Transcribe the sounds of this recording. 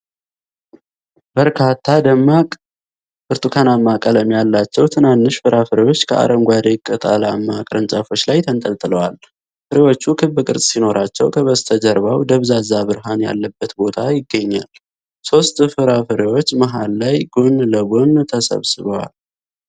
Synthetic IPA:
b̥əɾkʰat̪ʰːad̪əmːakʼ | fɨɾt̪ʰukʰanamːakʼələmjalːat͡ʃːɛwt̪ʰɨnanːɨʃfɨɾafɨɾewo̞t͡ʃːkʰəʔa̰ɾəŋɡʷad̪ekʼət̪ʼa̰lamːakʼɾənsʼəfo̞t͡ʃːlajt̪ʰənt̪ʼəlt̪ʼɨləwal | fɨɾewo̞t͡ʃːukʰɨbɨkʼɨɾsʼsino̞ɾʔat͡ʃːɛwkʰəβəst̪ʰəd͡ʒəɾβawd̪əβzazabɨɾɦanja̰lːəbːət̪bo̞t̪ʰajɪɡːəɲːal | so̞st̪fɨɾafɨɾewo̞t͡ʃːməɦalːajɡonləɡont̪ʰəsə̰βsɨβəwa̰l

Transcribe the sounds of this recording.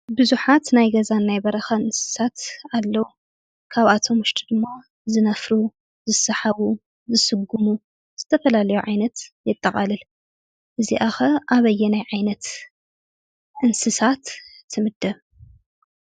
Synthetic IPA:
bɨzuħat̪najɡɐzanːajbɐɾɐxɐɨnsɨ̥sat̪alːɐwu | kʰaβat̪ʰo̞mʊʃt̪ʰʼid̪ɨmːa | zɨnɐfɾu | zɨsɐħaβu | zɨsɨɡːumu | z̥ɨt̪ʰɐfɐlalɐjuʕajnɐt̪jɨt̪ʼːɐχʼalɨl | ʔɨziʔaxɐʔaβɐjːɛnajʕajnɐt̪ | ʔɨnsɨsat̪ʰː | ɨmɨd̪ɐβ

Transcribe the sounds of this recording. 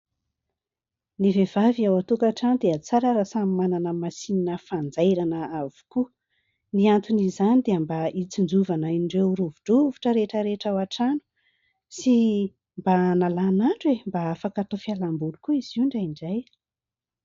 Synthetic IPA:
nivev̥aviawat̪ukaʈ͡ʂanud̪eət͡saɾəɾasamimananəmasininəfand͡zajɾanəavu̥ku | niant̪unizanid̪eambaʔit͡sind͡zuvanaiɳɖ͡ʐewɾuvuɖ͡ʐuvu̥ʈ͡ʂəɾeʈ͡ʂəɾeʈ͡ʂawaʈ͡ʂanu̥ | si | mbanalanaɳʈ͡ʂwembaafakat̪ofialambulukuiz̥iuɳɖ͡ʐajiɳɖ͡ʐaj

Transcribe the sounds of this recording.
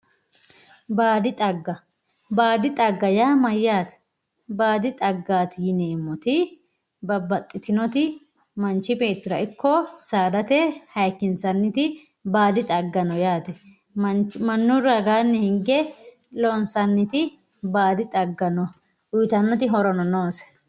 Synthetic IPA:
baːd̪ɪt̪ʼɐɡːɐ | baːd̪ɪt̪ʼɐɡːɐjaːmɐjːaːt̪ | baːd̪ɪt̪ʼɐɡːaːt̪jɪneːmːɔt̪ɪ | bɐbːɐt̪ʼːɪt̪ɪnɔt̪ɪ | mɐnt͡ʃːɪbe̞ːt̪ːɪɾɐʔɪkːɔsaːd̪ɐt̪ɛhɐjkːɪnsɐnːɪt̪ɪ | baːd̪ɪt̪ʼɐɡːɐnɔjaːt̪ɛ | mɐnːʊɾɐɡaːnːɛhɪŋɡɛ | lɔnsɐnːɪt̪ɪ | baːd̪ɪt̪ʼɐɡːɐnɔ | ʊjt̪ɐnːɔt̪ɪɦɔɾɔnɔnoːsɛ̥

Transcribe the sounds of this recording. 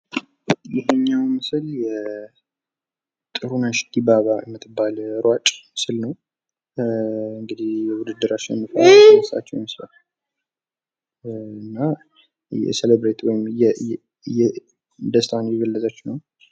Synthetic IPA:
jɪɦɛɲːawmɨsɨljɛ | t̪ʼɨɾunaʃd̪ibaβajɛmːɨt̪ʰːɨbːalɾwat͡ʃʼmɨsɨlnəw | ɨŋɡɨd̪ihjɛwʊd̪ɨd̪ːɨɾat͡ʃːɪnɛmːəfələsʼa̰t͡ʃːɛwmsla | ɨnːa | jɛ̰selebɾet̪wɔjɪmjɛ | jɛ | d̪əst̪ʰanjɛɡəlːəzʼat͡ʃːnəw

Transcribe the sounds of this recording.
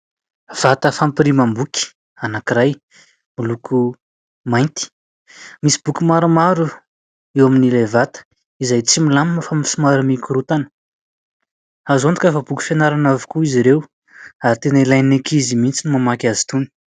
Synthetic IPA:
v̥at̪əfampiɾimambukʲi̥ | anakiɾaj | miluku | majnt̪i̥ | misi̥b̥ukʲumaɾumaɾu | ewaminilevat̪ə̥ | izajt͡similaminfamisumaɾamikuɾut̪anə̥ | azond̪u̥kafəbukʲi̥fenaɾanavi̥kuiziɾew | aɾit̪enailajnekizimint͡sinimamakʲazi̥t̪uni̥

